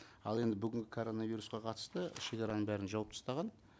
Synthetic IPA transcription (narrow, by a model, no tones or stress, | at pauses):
ɑ̰lˠe̞nd̪ɪbʏɡʲɪŋɡʲɪkʰo̞ɾo̞navʲiɾusqɑqʰɑt̪ə̥st̪əʃe̞kʲɑɾɑnəɴbæɾɪnʒɑwɑp̚t̪ʰst̪ɑʁɑn